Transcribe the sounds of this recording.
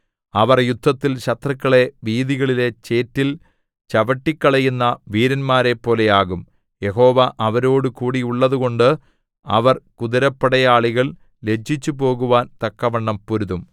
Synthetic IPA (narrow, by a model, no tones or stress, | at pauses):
ɐʋɐrjud̪ʱːɐt̪ːilɕɐt̪rɐkːɐɭe̞ʋiːðiɣɐɭile̞t͡ɕe̞ːtːil | t͡ɕɐʋɐʈːikːɐɭɐjunːɐʋiːɾɐnmaːɾe̞pːo̞ːle̞jaːɣum | je̞ɦo̞ːʋɐʔɐʋɐɾo̞ːɽɨkuːɽiuɭːɐðuɣo̞ɳɖɨ | ɐ̰ʋɐrkuðɐɾɐpːɐɽɐjaːɭiɣɐɭ | le̞d͡ʑʱːit͡ɕːupo̞ːɣuʋaːnt̪ɐkːɐʋɐɳːɐmpuɾuðum